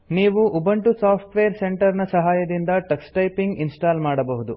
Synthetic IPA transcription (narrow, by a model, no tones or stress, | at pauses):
niːʋuʔubɐɳʈusaːpʰʈʋeːɾse̞ɳʈɐɾnɐsɐɦaːjɐd̪ind̪ɐʈɐksʈɐjpiŋɡinsʈaːlmaːɽɐbɐɦud̪u